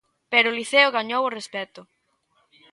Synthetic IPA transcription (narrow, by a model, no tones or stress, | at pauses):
pɛɾʊliθeʊɣaɲoworespɛt̪ʊ